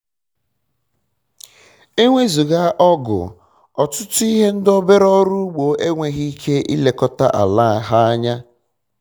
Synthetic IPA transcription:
e˦ŋʷe˦zu˨ɣa˦ʔɔ˦ɡʊ̰˨ | ɔ˨tʊ˦tʊ˦i˦ɦe˦n̩˦do˦be˦ɾɔ˦ɾu˦ɡ͡bo˨e˦ŋʷe˨ɣi˦kʰe˦ʔḭ˦le˨kɔ˦ta˦ʔa̰˨la˦˨ɦa˦a˦ɲa˦

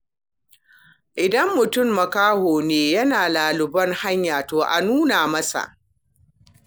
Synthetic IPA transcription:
ʔɪ˨dɐ˦mːʊ˨tʊ˦˨mːɐ˨kaː˦hoː˨neː˦jɐ˦naː˨laː˨lʊ˨bɐ˦ŋha˦ɲjaː˨toː˨ʔa̰˨nuː˦naː˨mɐ˦sa̰˨ʔ

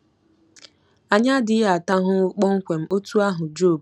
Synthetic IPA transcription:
a˨ɲa˦dɪ˨˦a˨ta˦ɦʊ˦k͡pɔ˦ŋ̩˦kʷe˨m̩˦o˦tu˦a˦ɦʊ˨d͡ʒo˦˨b

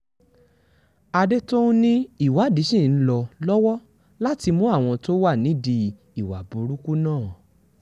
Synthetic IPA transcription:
a˧de˦to˦ũ˦nĩ˦i˦˨wa˨˦˨di˨˦ʃĩ˦˨n̩˦lɔ˧lɔ˦wɔ˦ | la˦ti˧mũ˦a˦˨w̃ɔ̃˧to˦wa˦˨nĩ˨˦di˧ | i˨wa˨bu˨˦ɾu˦ku˦nãː˦˨

